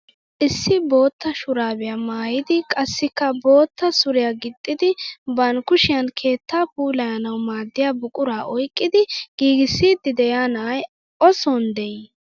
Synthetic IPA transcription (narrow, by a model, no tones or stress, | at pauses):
ʔɪsːɪbo̞ːt̪ːɐʃʊɾaːbɛjamaːjɪd̪ɪkʼɐsːɪkːɐbo̞ːt̪ːɐsʊɾɪjaɡɪt̪ʼːɪd̪ɪbɐnkʊʃɪjɐnkʰe̞ːt̪ːaːpuːlɐjɐnɐwmaːd̪ːɪjaːbʊkʼʊɾaːʔɔjkʼːɪd̪ɪɡ̥iːɡɪsːiːd̪ːɪd̪ɛjaːnɐj | ʔɔsɔnd̪ɛj